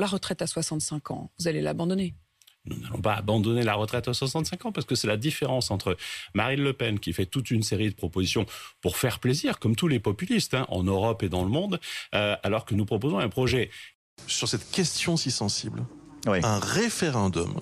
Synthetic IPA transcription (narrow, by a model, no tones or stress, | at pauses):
laʁət̪χɛt̪aswasɑ̃t̪sɛ̃kɑ̰̃vuzalela̰bɑ̃d̪ɔne | nunalɔ̰̃paːbɑ̃d̪ɔnelaʁət̪χɛt̪aswasɑ̃t̪sɛ̃kɑ̃paʁskəsɛlad̪ifeʁɑ̃sɑ̃t̪χəmaʁinləpɛnkʲifɛt̪ut̪ynseʁid̪əpχɔpozisjɔ̃puʁfɛʁpleziʁkɔmt̪ulepɔpylist̪ɛ̃ʔɑ̰̃nøʁɔped̪ɑ̃ləmɔ̃d̪øalɔʁkənupχɔpozɔ̃ɛ̃pχɔʒɛ | syʁsɛt̪kʲɛst̪jɔ̃sisɑ̃sḭblwiɛ̃ʁefeʁɛ̃d̪ɔ̰m